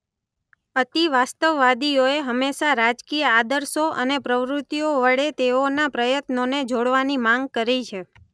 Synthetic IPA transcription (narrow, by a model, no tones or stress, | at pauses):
ət̪iʋast̪əʋːad̪ijoeɦəmːeʃaɾad͡ʒkijəad̪əɾsoʔənepɾəʋɾʊt̪ːijoʋəɽet̪eonapɾəjət̪noned͡ʒoɽʋanimãŋɡ̚kəɾit͡ʃʰe